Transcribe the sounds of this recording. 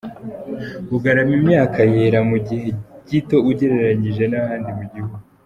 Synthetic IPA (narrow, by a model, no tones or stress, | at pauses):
uɡaɾamimɲaːkajeːɾamuɟihe̞ɟito̞uɟe̞ɾe̞ɾaɲiʒe̞nahaːndimuɟihuɡu